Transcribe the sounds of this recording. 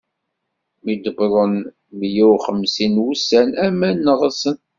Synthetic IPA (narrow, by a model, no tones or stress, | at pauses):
mid̪əbɾˤən | mjæwχəmsinwusænæmænːəʁəsən